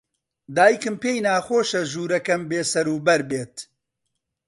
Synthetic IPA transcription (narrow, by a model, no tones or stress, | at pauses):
d̪aːjikɨmpeːjnaːxoːʃɐʒuːɾɐkɐmbeːsɐɾuːbɐɾbeːt̪